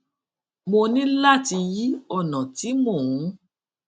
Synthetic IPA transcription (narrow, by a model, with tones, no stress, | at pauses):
mo˧nĩ˦la˦˨ti˧ji˦ɔ˦˨nɔ̃˨ti˨˦mo˦˨ũ˨˦